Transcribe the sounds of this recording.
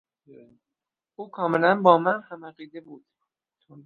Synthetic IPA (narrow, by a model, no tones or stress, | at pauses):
uːkʰɒːme̞lænbɒːmænhæmæɢiːd̪ebuːd̪̥